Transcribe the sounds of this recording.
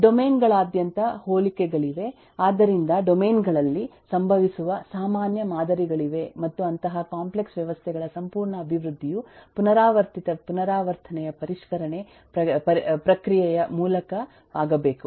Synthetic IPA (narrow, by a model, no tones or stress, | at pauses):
ɖomeːnɡɐɭaːd̪jɐnt̪ɐhoːlikɛɡɐɭiʋe̞ | aːd̪ɐɾind̪ɐɖome̞ːnɡɐɭɐlːisɐmbʱɐʋisuʋɐsaːmaːnjɐmaːd̪ɐɾiɡɐɭiʋe̞mɐt̪ːuɐnt̪ɐɦɐkaːmple̞ksʋjɐʋɐst̪ʰɛɡɐɭɐsɐmpuːɾɳɐːbʱiʋɾud̪ʱːijupunɐɾaːʋɐɾt̪it̪ɐpunɐɾaːʋɐɾt̪ʰɐnɛjɐpɐɾiʃkɐɾɐɳe̞ | pɾɐɐpɾɐkɾijɛjɐmuːlɐkɐ | aːɡɐbeːku